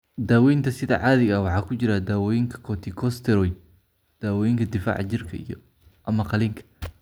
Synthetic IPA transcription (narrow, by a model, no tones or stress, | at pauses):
d̪aːwɛjnt̪ʰɐsɪðɐ̰ʕɑːðɪɣɐwɑħɑːkʰʊt͡ʃɪɾɐd̪aːwɔjɪŋkʰɐ̥kʰɔt̪ʰɪkʰɔst̪ʰɛɾɔj | d̪̥aːwɔjɪŋkʰɐd̪ɪfa̰ːʕt͡ʃɪrkʰɐ̰ḭjɔ | ʔɐmɐqɑliŋkʰɐ̥